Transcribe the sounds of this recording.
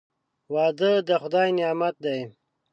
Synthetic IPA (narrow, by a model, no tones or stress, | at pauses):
wɑːd̪əd̪əxʊd̪ɑjnjɑːmat̪̚d̪aj